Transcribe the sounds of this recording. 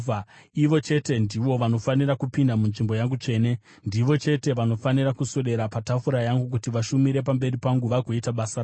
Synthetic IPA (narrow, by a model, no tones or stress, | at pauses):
iʋo̞t͡ʃe̞te̞ndiʋo̞ʋano̞fanirakupindamunʐimbo̞jaŋɡut͡ʂe̞ːne̞ | ndiʋo̞t͡ʃe̞te̞ʋano̞fanirakusoɗe̞ɾapatafuɾajaŋɡuk̬utiʋaʃumiɾe̞p̬ambe̞ripaŋɡuʋaɡʱo̞itaɓasa